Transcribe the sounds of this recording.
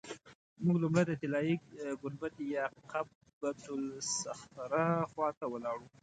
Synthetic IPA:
mʊɡlumɽajd̪ət̪ɪlɑjiɡʊnbat̪jɑqʰa | bad̪ʊlsaxt̪aɾaxwɑt̪awəlɑɽu

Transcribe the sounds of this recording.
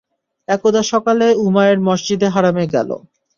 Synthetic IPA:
ɛkod̪aʃɔkaleumaeɾmɔʃd͡ʑid̪eɦaɾameɡɛ̰lo̰

